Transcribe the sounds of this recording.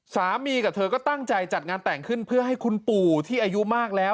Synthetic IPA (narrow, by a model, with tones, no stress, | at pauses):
saː˩˦miː˧ka˨˩t̪ʰɤː˧kɔː˥˩t̪a˥˩ŋt͡ɕa˧jt͡ɕa˨˩t̪̚ŋaː˧nt̪ɛː˨˩ŋkʰɯ˥˩npʰɯ˥˩ɐha˥˩jkʰu˧npuː˨˩t̪ʰiː˥˩ʔa˧ju˦˥maː˥˩k̚lɛː˦˥w